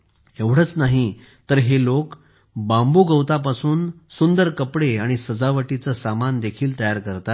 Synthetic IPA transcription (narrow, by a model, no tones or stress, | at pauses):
eʋɽ̤ət͡snaɦi | t̪əɾɦelok | bãmbuːɡəwt̪apasuːnsund̪əɾkəpɽeaɽ̃isəd͡zaʋəʈit͡səsamand̪ekʰiːlt̪əjaɾkəɾt̪at̪